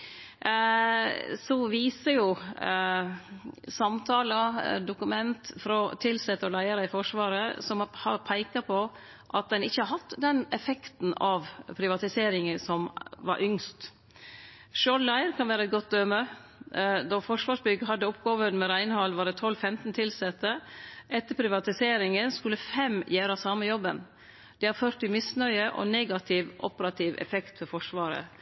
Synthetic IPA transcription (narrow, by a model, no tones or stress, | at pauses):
sɔʋiːsəjʊ | sɑmt̪ʰɑːləd̪ʊkʉmɛnt̪fɾɔt̪ʰɪlsɛt̪ːəɾlæɪəɾəɪfɔʂʋɑːɾəsɔmhɑpʰæɪkɑpʰɔ | ʔɑt̪̚d̪ɛnɪçːəhɑɾɦɑt̪ːd̪ɛnɛfɛkt̪n̩ɑʋpʰɾɪʋɑt̪ɪseːɾɪŋəsɔmʋɑ̰ɾʔʏŋst̪ | ʃoːnlæɪɾkʰɑnʋæːɾəɛt̪̚ɡɔt̪̚d̪øːmə | d̪ɔfɔʂʋɑːʂbʏɡəɦɑd̪ːəɔpɡoːʋəɾmɛɾæɪnəhɑlːʋɑːɾɛt̪ʰɔlːfɛmt̪n̩t̪ʰɪlsɛt̪ːəʔɛt̪ːəɾpʰɾɪʋɑt̪ɪseːɾɪŋənskʉlːəfɛmjøːɾɑsɑməjɔbən | d̪̥ɛhɑɾfœɾʈ̪ɪmɪsnœʏəʔɔ̰neːɡɑt̪ʰɪʋʔɔpəɾɑt̪ʰɪʋɛ̰fɛkt̪fɔɾfɔʂʋɑːɾə̰